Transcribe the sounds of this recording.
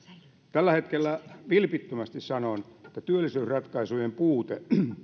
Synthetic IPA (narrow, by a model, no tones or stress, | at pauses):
t̪ælːæhet̪kelːæʋilpit̪ːømæst̪issɑnonet̪ːæt̪yølːˑisyːsrɑt̪kɑisujempuːt̪e